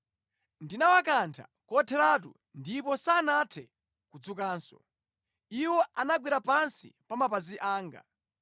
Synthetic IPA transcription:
ndinawakantʰa̰kɔtʰɛlat̬ṵ | ndipɔsanatʰɛ | kud͡zukaːnsɔ̰ | iwɔanaɡwiɾapansḭpamapaziʔaːŋɡa̰

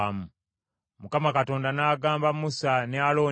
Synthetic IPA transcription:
mu | mukamakato̞ːndanaːɡaːmbamusanealo̞ː

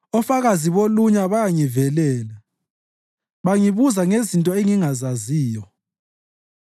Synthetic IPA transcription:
ɔfaɣaziβoluɲaβajaŋivɛlɛːla | βaŋiβuzaŋezintʼɔeŋiŋazaziːjɔ

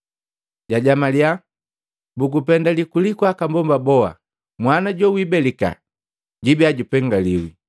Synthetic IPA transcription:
ɟaɟamalia | bukupɛndalikulikwakambɔmbabɔa̰ | mwanaɟɔwibɛlika̰ | ɟibiaɟupɛŋɡaliwḭ

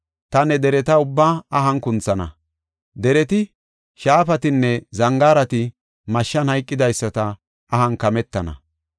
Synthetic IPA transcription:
t̪ɐnɛd̪ɛɾɛt̪ɐʊbːaːɐɦɐnkʊnt͡sːɐnɐ̰ | d̪ɛɾɛt̪ɪ | ʃaːfɐt̪ɪnːɛzɐŋɡaːɾɐt̪ɪ | mɐʃːɐnhɐjkʼːɪd̪ɐjsːɐt̪ɐ | ɐhɐnkɐmɛt̪ːɐnɐ̰

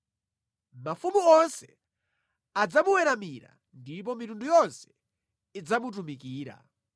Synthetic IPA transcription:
mafumuɔnsɛ | ad͡zamuwɛɾamiɾa̰ | ndip̬ɔmitundujɔnsɛ̥ | id͡zamut̬umikiːɾa̰

